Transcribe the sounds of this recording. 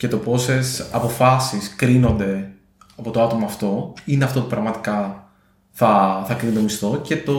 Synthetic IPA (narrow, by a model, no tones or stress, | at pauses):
ce̞t̪o̞po̞se̞sɐpo̞fɐsiskɾino̞nd̪e̞ | ɐpo̞t̪oɐt̪o̞mɐːft̪o̞ine̞ɐft̪o̞t̪upɾɐɣmɐt̪i̥kɐ | θɐθɐkɾind̪omist̪o̞ce̞t̪o̞